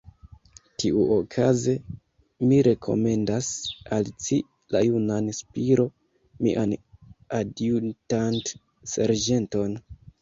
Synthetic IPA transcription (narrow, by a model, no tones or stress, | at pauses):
tʰiʔuokʰaze̞ | miɾe̞kʰo̞̰me̞ndasalt͡si | lajunanspiɾo̞ | miʔanaduntant | sḛɾd͡ʒe̞nto̞n